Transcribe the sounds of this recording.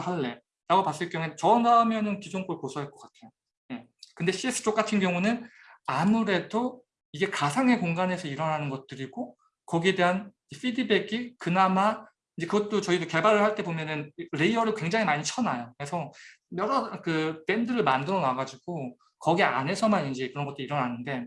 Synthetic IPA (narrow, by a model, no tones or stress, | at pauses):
haɭːe̞ | ɾaɡopas͈ɯɭkjʌŋet͡ɕʌnamjʌnɯnkid͡ʑoŋkoɭposʰʌɦeɭk͈ʌk͈atʰe̞jo | je̞ | kɯnde̞ɕ͈ʰies͈ɯ̥t͡ɕ͈ok͈atʰɯnɡjʌŋunɯn | amuɾe̞do | iɡe̞kasʰaŋɦe̞koŋɡanɦe̞sʰʌiɾʌnɦanɯnɡʌt̚t͈ɯɾiɡo | kʌɡie̞de̞ɦan | eɸʰidibe̞ɡikɯnama | inɲd͡ʑe̞kɯɡʌt̚t͈ot͡ɕʌidoke̞baɾɯɭhaɭt͈e̞bomjʌnɯnɾe̞iʌɾɯɭkwe̞ŋd͡ʑaŋimaɲit͡ɕʰʌnajokɾe̞sʰʌ | mjʌɾʌkɯpe̞ndɯɾɯɭmandɯɾʌnaɡad͡ʑiɡ̥o | kʌɡia̰nɦesʰʌmanind͡ʑekɯɾʌnɡʌt͈oiɾʌnanɯnde̞